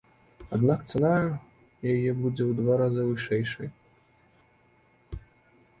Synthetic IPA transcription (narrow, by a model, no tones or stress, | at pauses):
ad̪nakt̪sɐna | jajɛbud͡zʲɛwd̪vaɾazɨvɨʂɛjʂɨj